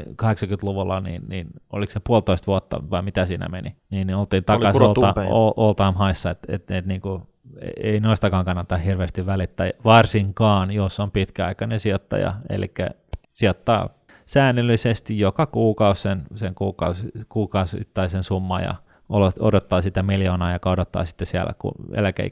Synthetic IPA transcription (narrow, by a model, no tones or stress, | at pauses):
kɑheksɑŋkynt̪luʋulːɑnḭːnniːno̰liksepuolt̪oist̪ʋuot̪ːɑ̰ʋɑimit̪æsiːnæ̰mḛniniːnniolt̪iːnt̪ɑɑsolɑoʔolt̪ɑːmhɑisːɑet̪ḛt̪et̪niːŋku | ḛeinoist̪ɑkɑːŋkɑnːɑt̪ɑhhirʋeːst̪iʋʋælit̪ːæːʋɑrsiŋkɑːnjosːompit̪kæɑikɑnensiot̪ːɑ̰jɑ̰ḛlḭkːæ̰ | siot̪ːɑ̰ː | sæːnːylːisest̪ijjokɑkuːkɑussenseŋkuːkɑusikuːkɑusḭt̪ːɑisensumːɑjɑ̰ | oloodot̪ːɑːsit̪æmiljoːnɑːjokɑodot̪ːɑ̰ːsi̥t̪ːesiælæ̰kṵḛlækḛi